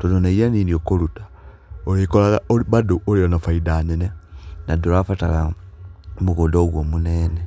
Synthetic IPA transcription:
tononaijanindiokolutḁ | oikolaɣaoβaduoliɾanafaidanenenaduɾafatala | muɣodoɣwomuneːne

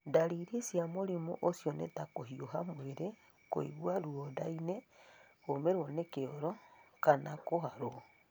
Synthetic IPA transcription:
ndaɾiɾisjamoɾimoʔosjɔnḛtakoɦioɦamweɾe | ko̰ḭβwaɾuodaine | omeɾwɔnekeoɾɔkanakohaɾo

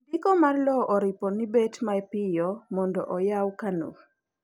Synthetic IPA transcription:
dɪkɔmarlɔʔɔɾɪpɔnibetmaɛpɪjɔmɔndɔ̰ʔɔjawkano̰

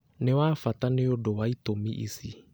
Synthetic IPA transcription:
nɪwaːfataneodowaitomḭʔḭsi

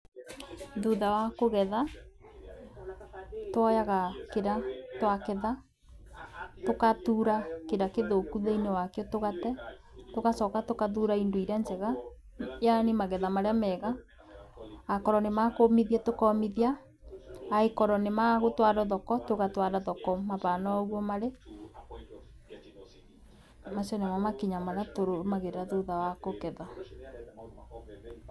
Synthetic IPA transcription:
ðuðawakoɣɛða | twɔjaɣakeɾatwakeða | tokatuɾakeɾakeðokuðeinɛwakjɔtoɣatɛ | tokasɔkatokaðuɾaindoiɾand͡ʒɛɣa | janemaɣɛðamaɾeamɛɣa | kɔɾɔnemakomiðiatokɔːmiðia | aekɔɾɔnemaɣotwaɾɔðɔkɔtoɣatwaɾaðɔkɔmaβanaɔɣwɔmaɾe | masɔnemamakiɲamaɾeatoɾomaɣeɾɾaðuðawakokɛða

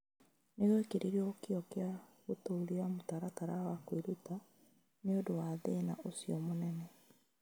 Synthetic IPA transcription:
neɣwekeɾiɾiɔokjɔkeaɣotoːɾiamotaɾataɾawakwiɾuta | neodowaðeːna̰ʔosiɔmonɛnɛ

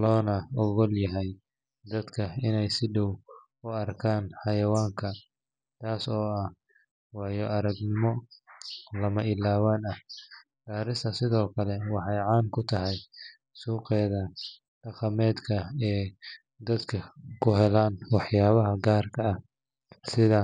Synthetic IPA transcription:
lɔːnɐɔɣɔljɐɦɛj | d̪ɐd̪kʰɐɪnɛjsɪɖɔw | ʊɐrkʰaːnħɑjɐwaːŋkʰɐ | t̪ʰaːsɔːɐh | wɑːjɔʔɐɾɐɡnɪmɔ | lɐmɐʔɪlaːwaːnɐ | ɡ̥aːɾɪsɐsɪðɔːkʰɐlɛwɑħɑjʕɑːnkʰʊt̪ʰɐɦɛj | suːqɛːðɐ | ɖ̥ɑqɑmɛːd̪kʰɐɛː | d̪ɐd̪kʰɐkʰʊɦɛlaːnwɑħjaːβɐɦɐɡaːrkʰɐɐh | sɪðɐ

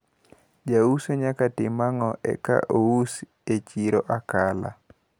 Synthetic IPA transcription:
d͡ʒausoɲakatɪmaŋɔʔɛ̰ka̰ʔous | et͡ʃiɾoʔakala̰

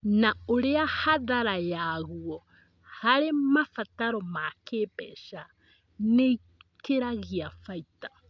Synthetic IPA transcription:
naoɾeahaðaɾajaːɣuɔ | haɾemafataɾɔmakepɛʃa | nei | keɾaɣiafaitḁ

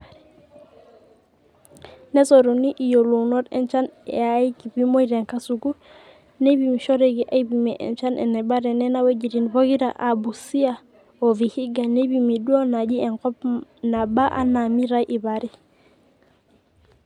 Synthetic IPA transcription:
nesoɾuniʔijolunotḛnt͡ʃanḛaikibimoiɾeŋkasuɡu | nebimiʃoɾeɡiʔaibimeʔḛnt͡ʃanʔḛnebaɾenenaweɟiɾinboɡiɾa̰ʔabusia | ovihiɡanebimiduonaɟieŋkopnabaʔa̰namiɾajʔibaɾi

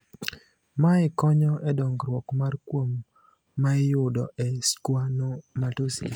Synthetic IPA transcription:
maɪkɔɲɔɛdɔŋɡɾwɔkmarkwomː | aɪjʊdɔ̰ʔɛskwanomatosḭ

